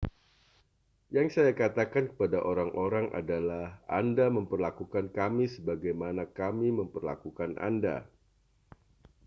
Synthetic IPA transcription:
jaŋsajakat̪akankə̥padaʔoɾaŋʔoɾaŋʔa̰dalahʔa̰ndaməmpərlakukankamisəbaɡajmanakamiməmpərla̰kukanʔa̰nda̰

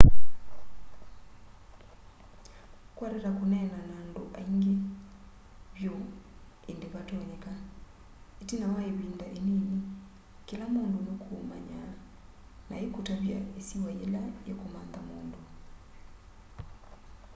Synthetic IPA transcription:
kwaɾeɾakonɛnanaːndoʔaiŋɡe | βjo | endeβatɔɲɛka | etinawaeβiːndaʔenini | kelamoːndojokʰoma̰ɲa̰ | na̰ekutaβja̰esiwaelajokomaːnðamoːndo

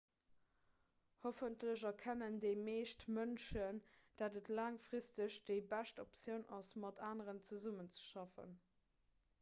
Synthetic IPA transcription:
hofəntləʑɐkʰænəndeɪmeːʃtmənʃənd̥aːdətlaːŋfʁistəɕd̥eɪbæʃtopt͡sjəʊnʔɑsmɑtʰaːnəʁənt͡səzumənt͡sə̥ʃɑfə̰n

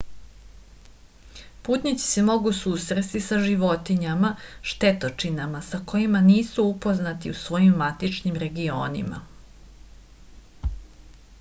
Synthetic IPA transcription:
puːt̪nʲit͡s̪i̥semo̞ɡusuːsɾest̪isaʒiʋo̞t̪iɲamaʃt̪e̞t̪ot͡ʂinamasako̞imaniːsuupo̞znat̪iusʋo̞jimːat̪it͡ʃɲimɾeɡio̞ːnḭma̰

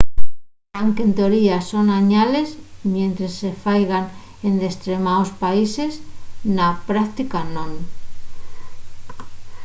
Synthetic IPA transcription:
aŋke̞nt̪eoɾiaso̞naɲale̞zmjẽnt̪ɾesːe̞fajɣan | end̪est̪ɾemaospaise̞snapɾakt̪ikanõŋ

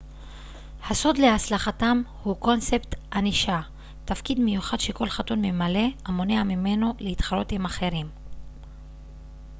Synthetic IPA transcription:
haso̞d̪leaslaχatamhuko̞nse̞pt̪haniʃa | tafkid̪me̞juχad̪ʃe̞ko̞lχatunmemale̞amo̞neamime̞noleit̪χalo̞t̪imaχe̞ʁim

